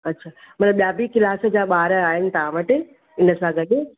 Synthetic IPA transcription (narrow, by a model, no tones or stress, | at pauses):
ɐtːʃʰaːmɐnəɓijaːbiːkɪlaːsə̆d͡ʑaːɓaːɾəaːɦɪnɪ̆t̪ɐɦãʋɐʈɪ̆ | ɪnəsãɡɐɗe